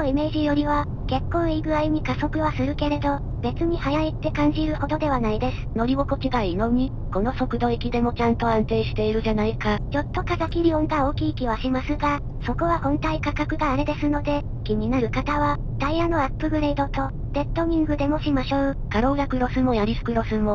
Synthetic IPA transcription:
oime̞ːʑijo̞ɾʲiβa | ke̞kːoːiɡɯ̟aiɲ̟ikaso̞kɯ̟βasɨɾɯ̟ke̞ɾe̞d̪o̞ | be̞t͡sɨɲ̟ihajait̪ːe̞kãɲ̟d͡ʑiɾɯ̟ho̞d̪o̞d̪e̞β̞anaid̪e̞sɨ̥no̞ɾʲibo̞kot͡ɕiɡaino̞ɲ̟i | ko̞no̞so̞kɯ̟d̪o̞ikʲid̪e̞mo̞t͡ɕãnt̪o̞ãnt̪e̞ːɕi̥t̪e̞iɾɯ̟ʑanaikat͡ɕo̞t̪ːo̞kasakʲiɾʲiõ̞nd̪ao̞ːkʲiːkʲiβaɕimasɨɡa | so̞ko̞βahõ̞nt̪aikakakɯ̟ɡaːɾe̞d̪e̞sɨno̞d̪e̞ | kʲiɲ̟inaɾɯ̟kat̪aβ̞a | d̪̥aianoapːɯ̟ɡɯ̟ɾe̞ːd̪o̞t̪o̞ | d̪e̞t̪ːo̞ɲʲĩŋɡɯ̟d̪e̞mo̞ɕimaɕo̞ːkaɾo̞ɡakɯ̟ɾo̞sɨmo̞jaɾʲisɨ̥kɯ̟ɾo̞sɨmo̞

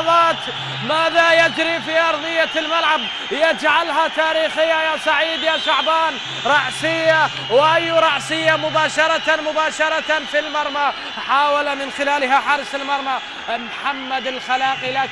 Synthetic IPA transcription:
ðˤɑːt̪ | maːðajɪd͡ʒɾifiʔɑɾˤðˤɨjːalmalʕab | jad͡ʒʕalɦat̪aːɾiːxɪjːajasˤɑʕiːd̪jaʃaʕbaːn | ɾˤɑʔsɪjːa | wʔajɾˤɑʔsɪjːamʊbaːʃɑɾˤɑt̪amʊbaːʃɑɾˤɑfilmɑɾˤma | ħaːwalamɪnxɪlaːlɦaħɑɾˤsɪlmɑɾˤma | mħamːad̪ɪlxalɑːqila

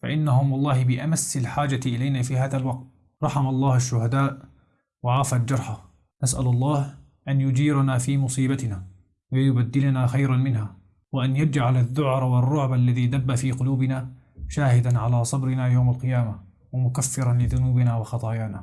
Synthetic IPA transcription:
fa̰ʔɪnːahʊmwɑlˤːɑːhɪbɪʔamasːɪlħaːd͡ʒaʔɪlajnafiːhaːðalwɑqt̪ | ɾˤɑħamɑlˤːɑːhaʃːʊhad̪aːʔ | wɪʕaːfat̪d͡ʒɑɾˤħa | nasʔalɑlˤːɑːh | ʔanjʊd͡ʒiːɾanafiːmʊsˤiːbat̪ɪna | wɪjʊbad̪ːɪlanaxajɾanmɪnha | wɪʔanjad͡ʒʕalaðːʊʕɾˤwɪrˤːʊʕbʔalːaðid̪abːafiːqʊluːbɪna | ʃaːhɪd̪anʕalasˤɑbɾɪnajawmalqɨjaːma | wɪmʊkafːɪɾˤɑnlɪðʊnuːbɪnawɪxɑt̪ˤɑːjaːna

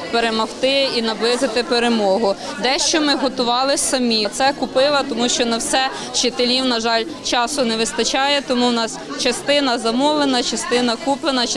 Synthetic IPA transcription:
peɾemɔxt̪ɪinɐblˠɪzɪt̪ɪpeɾemɔɦʊd̪ɛʃt͡ʃɔmɪɦɔt̪ʊʋɑlˠɪsɐmʲit̪sɛkʊpɪlˠɐt̪ɔmuʃt͡ʃɔnɐwsɛ | t͡ʃɪt̪elʲiwnɐʒɑlʲ | t͡ʃɑsʊnɛʋɪst̪ɐt͡ʃɑjɛt̪ɔmuwnɑst͡ʃɐst̪ɪnɐzɐmɔʋlˠenɐt͡ʃɐst̪ɪnɐkuplˠenɐ

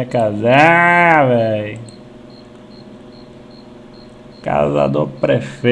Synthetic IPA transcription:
ekazavɛj | ka̰za̰d̪opɾefe

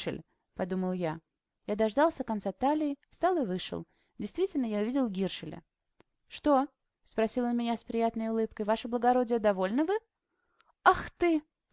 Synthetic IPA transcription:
ʂɨ̰lʲ | pɐd̪uməlˠja | jad̪ɐʐd̪ɑlˠsʲəkɐnt̪sat̪alʲɪːfst̪alˠɨvɨʂə̰lˠ | dʲɪjst̪vʲitʲɪlʲnəjaʊvʲidʲɪlˠɡʲirʂɨlʲə̰ | ʂt̪o̞ | spɾɐsʲilˠonmɪnʲaspɾʲɪjat̪nəjʊlˠɨpkəjvaʂəblˠəɡɐɾo̞dʲɪjəd̪ɐvo̞lʲnəvɨ | axt̪ɨ

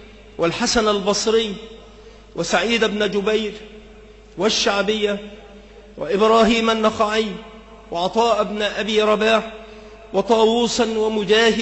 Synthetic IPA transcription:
walħasanalbɑsˤɾɪjː | wɪsaʕiːd̪abnɪd͡ʒʊbajɾ | waʃːaʕbɪjːa | wɪ̰ʔɪbɾɑːɦiːmanːɑxɑʕɪjː | wɪʕɑt̪ˤɑːʔabnʔabiːɾˤɑbaːħ | wɑt̪ˤɑːwuːsˤnwamʊd͡ʒaːhɪ

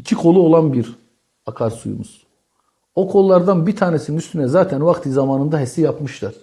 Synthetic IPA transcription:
icʰikʰo̞lˠuo̞lˠanbiɾ | akʰaɾsujṵnuz̥ | o̞kʰo̞lˠlːˠaɾd̪anbit̪ʰaːnesininyst̪ʰynɛzaːt̪ʰænvakt̪ʰizamaːnɯnd̪aɦɛsijapmɯʃlˠaɾ̥

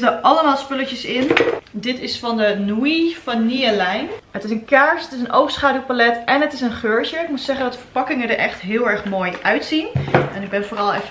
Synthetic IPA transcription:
dəɹʔɑləmaːlˠspɵləcəsɪndɪtɪsfɑndənuifɑnniəlɛjnɦətɪsənkɛɹsətɪs̬ənʔowvəsχaːduwpalɛtɛnɦətɪsənχøːɹt͡ʃəɪk̚mutsɛχəndɑtdəfəɹpɑkɪŋəndəɹʔɛχtɦɪːlˠɛɹχmoːjʔœɥtsinɛnɪɡ̚bɛnvoːrɑlˠɛf

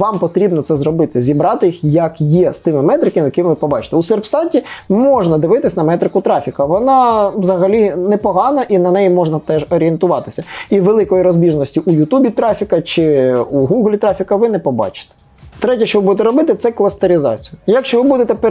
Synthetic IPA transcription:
ʋɑmpɔt̪ɾʲibnɔt̪sɛzrɔbɪt̪ɪzʲibɾɑt̪ɪjixjɐkjɛst̪ɪmɪmɛt̪ɾɪkemɪjɐkɪmʋɪpɔbɑt͡ʃɪ̥t̪ɛuserpst̪ɑtʲimɔʒnɐd̪ɪʋɪt̪ɪsʲɐnɐmɛt̪ɾɪkʊt̪ɾɑfʲɪkɐʋɔnɑʋzɐɦɐlʲinɛpɔɦɑnɐʔinɐnɛjimɔʒnɐt̪ɛʒɔɾʲient̪ʊʋɑt̪ɪsʲɐiʋelˠɪkɔjiɾɔzʲbʲiʒnɔsʲtʲiʔujʊt̪ubʲit̪ɾɑfʲɪkɐt͡ʃɪuɦuɣlʲit̪ɾɑfʲikɐʋɪnɛpɔbɑ̰t͡ʃɪ̥t̪ɛ̥ | t̪ɾɛtʲɐʃt͡ʃɔʋɪbud̪et̪ɛɾɔbɪt̪ɪt̪sɛklˠɐst̪eɾʲɪzɑ̰t͡sʲijʊjɐkʃt͡ʃɔʋɪbud̪et̪ɛp

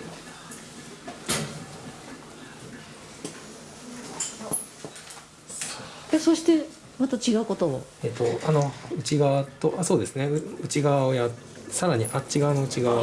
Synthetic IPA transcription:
jaso̞ɕi̥t̪e̞ | mat̪at͡ɕiɡaɯ̟ko̞t̪o̞o̰et̪ːo̞ano̞ɯ̟t͡ɕiɡaβat̪o̞ʔaso̞ːd̪e̞sɨne̞ɯ̟t͡ɕiɡaβaoja | saɾaɲ̟iʔat͡ɕːiɡaanoɯ̟t͡ɕiɡaa

